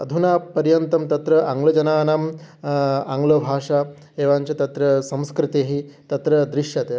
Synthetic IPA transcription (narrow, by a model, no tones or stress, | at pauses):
ɐ̰d̪ʱunaːpɐɾjɐnt̪ɐmt̪ɐt̪ɾɐʔaŋɡlɐd͡ʒɐnaːnam | aŋɡlɐbʱaːʂa | eːʋaːɲt͡ʃɐt̪ɐt̪ɾɐsɐ̃mskɾit̪eːɦit̪ɐt̪ɾɐd̪ɾiʂjɐt̪e